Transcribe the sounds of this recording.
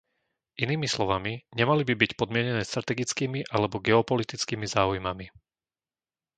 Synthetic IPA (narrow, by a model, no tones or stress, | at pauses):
ʔiniːmislɔʋamiɲɛmalibibicpɔd̪mɪɛɲɛnɛːst̪ɾat̪ɛɡit͡skiːmiʔalɛbɔɡɛɔpɔlit̪it͡skiːmizaːujmami